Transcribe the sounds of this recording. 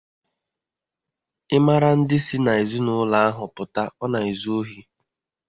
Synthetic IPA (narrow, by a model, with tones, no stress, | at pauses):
ɪ˦ma˦ɾa˦n̩˦dɪ˦si˦na˨i˨zu˦nʊ˦la˦a˦ɦʊ˨pʊ˨ta˦ɔ˦na˨i˨zu˦o˦ɦi˦